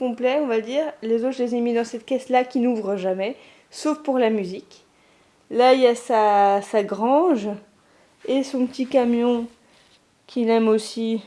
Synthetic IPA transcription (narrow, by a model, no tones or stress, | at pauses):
kɔ̃plɛɔ̃vad̪iʁlezot̪ʒlezemid̪ɑ̃sɛt̪kʲɛslakʲinuvʁəʒamɛ | sofpuʁlamyzik | lailjasasaɡʁɑ̃ʒ | esɔ̃pət̪ʰikamjɔ̃ | kʲʰilɛmosi